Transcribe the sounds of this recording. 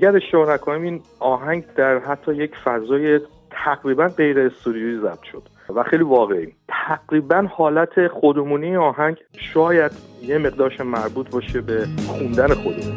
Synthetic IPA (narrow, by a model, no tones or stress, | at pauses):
æɟæɾe̞ʃt̪ɒɾnækʰonimiːnɒːɦæŋɟd̪æɾɦæt̪ʰːɒːjecʰfæzɒːje | t̪ʰæɣɾiːbænɢe̞jɾeːst̪ud̪ioizæb̥̚t̪ʃo̞d̪̥ | væxejliːvɒːɣeʔiːt̪ʰæɡɾiːbænhɒːlæt̪ʰe̞xod̪omuːniɒːɦæɲɟ | ʃɒːjæd̪jeme̞ʁd̪ɒːɾʃæmmːæɾbuːt̪ʰbɒʃe̞be̞xund̪æne̞xo̞d̪emun